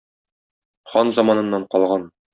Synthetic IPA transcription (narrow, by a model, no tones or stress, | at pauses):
χɒnzɑmɑnɤ̆nːɑɴqɒlˠʁɑn